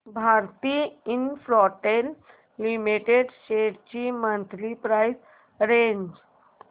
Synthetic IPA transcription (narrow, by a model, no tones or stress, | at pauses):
bʱaɾt̪iinfɾɔʈelː | imiʈeɖɕeʈt͡ɕiːmənt̪ʰɾipɾajs | ɾeɲd͡ʑ